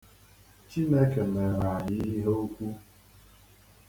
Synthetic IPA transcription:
t͡ʃi˦ne˦ke˨me˨ɾa˨a˨jɪ˦ɦo˦o˦kʷu˦

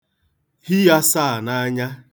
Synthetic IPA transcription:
hi˦ja˦saː˦a˨na˦ɲa˦

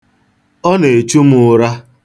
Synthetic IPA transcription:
ɔ˦ne˨e˨t͡ʃu˦m˦ʊ˨ɾa˦

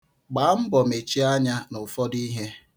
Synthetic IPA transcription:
ɡ͡ba˨˦m̩˦bɔ˨me˨t͡ʃi˦a˦ɲa˦nʊ˨fɔ˦di˦ɦe˦

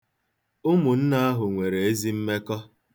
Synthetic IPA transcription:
ʊ˦mʊ˨n̩˦na˦a˦ɦʊ˨ŋʷe˨ɾe˨e˦zi˦m̩˦me˦kɔ˦

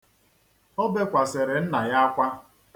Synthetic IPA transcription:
ɔ˦be˦kʷa˨se˨ɾe˨n̩˦na˨ja˦kʷa˦

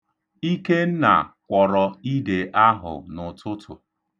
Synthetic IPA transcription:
i˦ke˦n̩˦na̰˨kʷɔ˨ɾɔ˨i˦de˨ʔa˦ɦʊ̰˨nʊ˨tʊ˦tʰʊ̰˨

